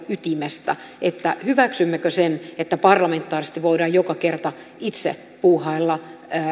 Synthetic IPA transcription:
yt̪imest̪æ̰ | et̪ːæhyʋæksymːækøsenet̪ːæpɑrlɑment̪ːˑɑːrist̪iʋoidɑːjjokɑkert̪ɑ | it̪sḛ | puːhɑilːɑː

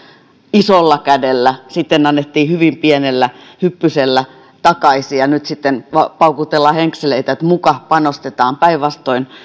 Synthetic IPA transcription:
isolːɑkædelːæsit̪ːenɑnːet̪ːiːhyʋimpienelːæhypːyselːæ | t̪ɑkɑisijɑnyt̪sit̪ːenʋɑpɑukut̪elːɑheŋkseleit̪æet̪mukɑhpɑnost̪et̪ɑːmpæiʋʋɑst̪oin

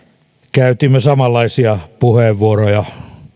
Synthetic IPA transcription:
kæyt̪imːøsɑmɑlːɑisiɑpuheˑʋːuorojɑ

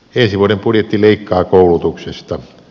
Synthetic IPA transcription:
ensiʋuodempudjet̪ːileikːɑːkoulut̪uksest̪ɑ

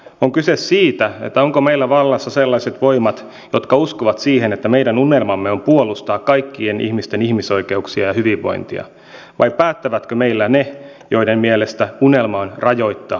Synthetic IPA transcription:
oŋkysesːiːt̪æet̪ːæo̞ŋkome̞jlːæʋɑlːɑsːɑselːɑjset̪ʋo̞imɑt̪ | jo̞t̪kɑuskoʋɑt̪siːhenet̪ːæmeidænunelmɑmːeo̞mpuolust̪ɑːkːɑjkːie̞nʔḭhmist̪e̞nihmiso̞jke̞uksiɑjɑhyʋiʋːo̞̰jnt̪ḭɑ̰ | ʋɑjpæːt̪ːæʋæt̪køme̞ilːæne | jo̞idemmielest̪æune̞lmɑːnrʔɑjo̞it̪ːɑ̰ː

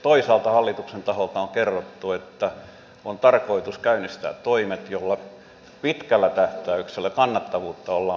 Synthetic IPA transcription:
t̪oisɑːlt̪ɑhɑlːit̪uksent̪ɑholt̪ɑoŋkerːot̪ːuet̪ːæ | ont̪ɑrkoit̪uskæynist̪æ̰ːt̪t̪oimet̪jolːɑ | pit̪kælːæt̪æht̪æykselːækɑnːɑt̪ːɑʋuːt̪ːɑolːɑː

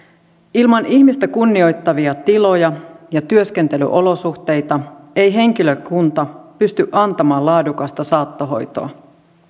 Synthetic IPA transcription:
ilmɑnihmist̪ækunːio̞jt̪ːɑʋiɑt̪ilo̞jɑjɑt̪yøsk̟e̞nt̪e̞ly̰ʔo̞lo̞suxt̪e̞jt̪ɑ | e̞jɦe̞ŋk̟iløkunt̪ɑpyst̪yʔɑnt̪ɑmɑːlɑːdukɑst̪ɑsɑːt̪ːoɦo̞̰jt̪o̞̰ɑ

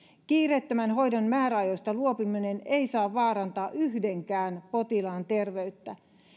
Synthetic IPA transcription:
kiːret̪ːømænɦo̞jdonmæːɾæɑjosʲt̪ɑluopimineneisɑːʋːɑːɾɑnt̪ɑːʔyhdeŋkæːnpot̪ilɑːnt̪e̞rʋe̞yt̪ːæ

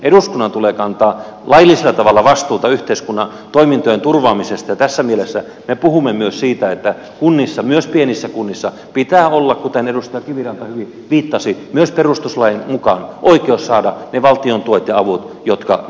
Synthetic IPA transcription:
eɾuskunːɑnt̪ulekɑnt̪ɑːlɑjilːˑiselːɑt̪ɑʋɑlːɑʋɑst̪uːt̪ɑyht̪eiskunːɑ | t̪oimint̪oent̪urʋɑːmisest̪ɑjɑt̪æsːæmielesːæ | mepuhumːemyøssiːt̪æet̪ːæ | kunːisːɑmyøspienisːækunːisːɑ | pit̪æːolːɑkkut̪enedust̪ɑjɑkiʋirɑnt̪ɑhyʋi | ʋiːt̪ːɑsimyøsperust̪uslɑjimukɑnʔoikeossɑːdɑneʋɑlt̪iont̪uot̪jɑɑʋut̪ | jot̪kɑ̰

